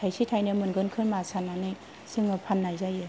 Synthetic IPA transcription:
tʰajsʰitʰajnɯmɯnɡɯnkʰɯɾmasananɯj | sɯŋɯpʰanːajzajɯ

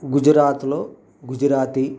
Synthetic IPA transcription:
ɡud͡ʒɾaːt̪loː | ɡud͡ʒɾaːt̪i

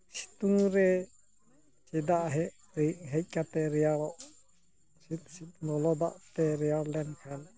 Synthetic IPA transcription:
si̥t̪uŋɾɛ | t͡ʃid̪aʔɦɛʔ | ɾɛɦɛc̚ˀkat̪ɛɾɛjaɾɔʔ | sit̪̚sit̪nɔlɔd̪a̰ʔt̪ɛɾɛjaɾlɛnkʰɛn

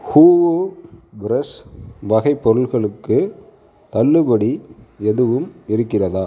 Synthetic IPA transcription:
huː | bɾɐsʋɐɣɐɪpːɔɾɯlɣɐɭɯkːɯ | t̪ɐɭːɯbɐɽiɛðɯʋɯmɪɾɯkːɪrɐðaː

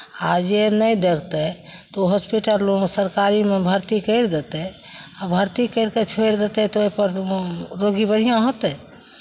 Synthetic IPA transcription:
ad͡ʒenəjd̪ekʰt̪ɛt̪oɦospiʈəlosəɾkaɾimebʱəɾt̪ikəjɾd̪et̪ɛ | abʱəɾt̪ikəɾket͡ʃʰojɾd̪et̪ɛt̪ɔojpəɾɾoɡibəɽ̤ijãɦot̪ɛ

